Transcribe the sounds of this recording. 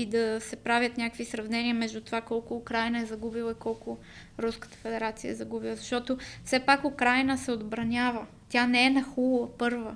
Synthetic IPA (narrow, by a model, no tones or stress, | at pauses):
id̪ɐsɛpɾavʲjət̪nʲakəkvisɾɐvnɛniəmɛʒd̪ut̪ovakɔlˠkʊːkɾajnəɛzɐɡubilˠəikɔlˠkʊ | ɾuskə̥t̪ə̥fɛd̪ɛɾat̪sijə̰ɛzɐɡubilˠəzɐʃt̪ɔt̪ofsɛpakʊkɾajnəsɛod̪bɾɐnʲavə | t̪janɛɛnɐxulˠəpɤɾvə